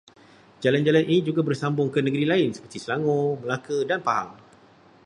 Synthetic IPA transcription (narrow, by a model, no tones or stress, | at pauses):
d͡ʒaland͡ʒalanʔinĩd͡ʒuɡabərsambʊŋkənəɡəɾilaɪnsə̥pərt̪isəlaŋõməlakədanpaɦa̰ŋ